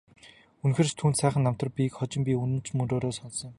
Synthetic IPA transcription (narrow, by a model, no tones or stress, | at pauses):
unxĕrst̪ʰuːnsæːχə̆nːam̥t̪ɞ̆rpʲikχɔt͡ɕɪ̆mpʲiunɘ̆nt͡ɕmɵnɾoːɾoːsɔnsɞ̆ŋ